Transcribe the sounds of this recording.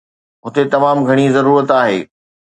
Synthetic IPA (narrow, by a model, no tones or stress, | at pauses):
ɦʊt̪et̪ɐmaːmɡʱɐɽ̃izɐɾuːɾət̪aːɦḛː